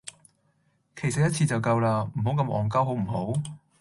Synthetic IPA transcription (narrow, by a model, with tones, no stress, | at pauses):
kʰe˨˩jsɐ˨jɐ˥t̚t͡sʰiː˧t͡sɐ˨wkɐ˧wlaː˧m̩˨˩ɦo˨˥wkɐ˧mʔɔ̰ː˨ŋkɐ˥wɦo˨˥wm̩˨˩ɦo˨˥w